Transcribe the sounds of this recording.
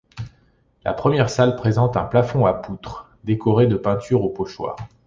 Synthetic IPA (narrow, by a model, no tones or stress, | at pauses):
la̰pχəmjɛʁsalpχezɑ̃t̪ɛ̃plafɔ̃aput̪χ | d̪ekʰɔʁed̪əpɛ̃t̪yʁopɔʃwa̰ːʁ